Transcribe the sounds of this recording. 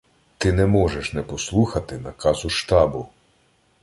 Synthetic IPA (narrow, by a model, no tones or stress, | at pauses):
t̪ɪnɛmɔʒɛʃnɛpɔslˠuxɐt̪ɪnɐkɑzʊʃt̪ɑbʊ